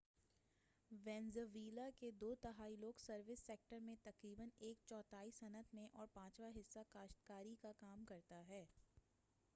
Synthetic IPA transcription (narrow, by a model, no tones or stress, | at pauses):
ʋɛ̃ːnzəʋiːlaked̪oːt̪ɐɦaːiloːɡsɐɾʋɪsːeːk̚ʈəɾmẽt̪ɐkɾiːbəneːkt͡ʃɔːt̪aːisɐnət̪ʰmẽʔɔːɾpãːt͡ʃʋaɦɪsːakaːʃʈkaːɾikakaːmkɐɾt̪aɦɛː